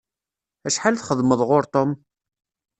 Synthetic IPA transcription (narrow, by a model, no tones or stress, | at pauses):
æʃħalθχəðˤməðˤʁʊɾt̪ˤom